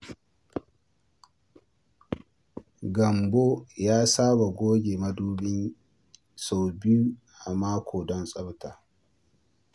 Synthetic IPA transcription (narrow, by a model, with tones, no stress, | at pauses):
ɡɐ˨mbo˦jaː˦saː˦ba˨ɡʷoː˦ɡʲeː˨mɐ˦duː˦ɓɪ˦n | so˨bɪ˦u˦ | ʔa˨maː˦kʰʷoː˨dɔ˦nsʼɐ˦btaː˨